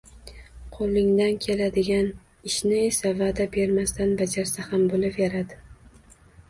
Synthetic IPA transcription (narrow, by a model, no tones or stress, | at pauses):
qʰolˠːɪŋd̪ankʲʰe̞lad̪ɪɡʲan | ɪʃnɪesavad̪abe̞ɾmast̪anbad͡ʒaɾsahambolɪpjaɾad̪ɪ